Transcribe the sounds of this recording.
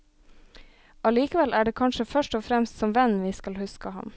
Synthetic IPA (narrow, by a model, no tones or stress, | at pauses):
ɑliːkəʋɛlʔæːɖeːkʰɑnʃəfœʂʈɔfɾɛmst̪sɔmʋɛnʋiːskɑlhʉskəhɑ̰m